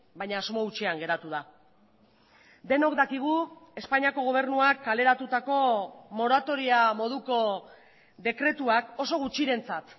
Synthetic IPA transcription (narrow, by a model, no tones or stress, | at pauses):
baɲaːzmo̞ut͡ʃeaŋɡe̞ɾat̪uð̞a | d̪e̞no̞kd̪akiɣ̞ue̞spaɲiako̞ɣ̞o̞β̞e̞ɾnuakːale̞ɾat̪ut̪ako̞mo̞ɾat̪o̞ɾiamo̞ð̞uko̞ | d̪e̞kɾe̞t̪uako̞so̞ɣut͡ʃiɾe̞nt͡sat̪